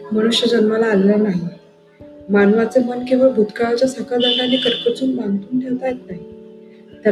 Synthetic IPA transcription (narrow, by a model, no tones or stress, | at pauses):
məɽ̃uɕjəd͡ʑənməlaːllanaɦi | manʋat͡semənkĩw̃ʋabʱut̪kaɭat͡ɕjasəkad̪aɳanːiːkəɾpət͡suːnbãŋɡt̪uːnʈʰelt̪ajet̪̚naɦi | t̪a